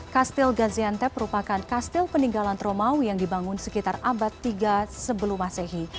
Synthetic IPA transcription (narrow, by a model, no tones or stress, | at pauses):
kast̪ɪlɡaziant̪ɛməɾupakankast̪ɪlpəniŋɡalant̪ɾomaujaŋdibaŋʊnsəkit̪arabat̪ːiɡasəbəlumasɛɦi